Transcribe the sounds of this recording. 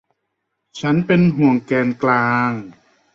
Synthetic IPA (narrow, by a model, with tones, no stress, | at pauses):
t͡ɕʰa˦˥npe˧nɦu˨˩əŋkɛː˧nklaː˧ŋ